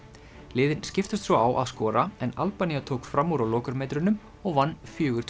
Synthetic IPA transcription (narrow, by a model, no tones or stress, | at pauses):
lɪːðɪnscɪft̪ʏst̪svɔawʔa̰ðskɔːɾaɛnalpanijat̪ʰoːwkfɾamːuɾawlɔːkʏɾmɛjt̪ɾʏnːʏm | ɔɣvanːfjœːɣʏɾ̥t̪ʰ